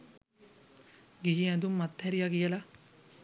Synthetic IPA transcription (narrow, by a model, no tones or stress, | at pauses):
ɡiɦiɛd̪umːat̪ːɦɛɾijaɡijəla